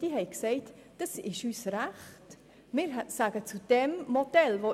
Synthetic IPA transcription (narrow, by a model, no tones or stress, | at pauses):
d̥iɦɛɪksɛɪt | d̥ɑsɪʃyːsɾæχt | mɪːɾsaɡ̥ət͡sud̥ɛmmodɛlvo